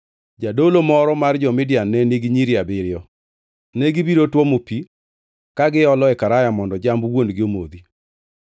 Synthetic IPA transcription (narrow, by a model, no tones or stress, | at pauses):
d͡ʒadolomɔɾɔmard͡ʒɔmɪdjanːɛniɡiɲiɾjabɪɾɪɔ | nɛɡibiɾotwɔmopi | kaɡɪɔlɔɛkaɾajamɔndɔd͡ʒambwondɡɪomod̪i